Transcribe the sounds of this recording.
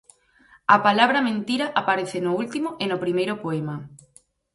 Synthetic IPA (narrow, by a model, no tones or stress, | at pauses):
apalaβɾɐmẽnt̪iɾaʔapaɾeθenoult̪imoʔenopɾimejɾopoema